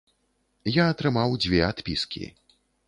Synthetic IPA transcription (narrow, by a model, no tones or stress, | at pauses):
jaːt̪ɾɨmawd͡zʲvʲɛat̪pʲiskʲḭ